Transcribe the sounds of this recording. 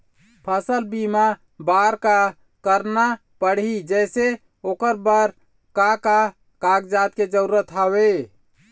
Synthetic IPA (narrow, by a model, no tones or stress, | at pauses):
pʰəsəlbima | baɾka | kəɾna | pəɽ̤ɦid͡ʒɛse | okəɾbəɾ | kaka | kaɡd͡ʒat̪ked͡ʒəɾuɾət̪ɦaβe